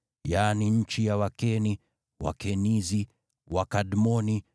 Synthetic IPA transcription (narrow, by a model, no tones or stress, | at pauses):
jaːniɲ̩t͡ʃijawakɛni | wa̰kɛnizi | wakadmɔni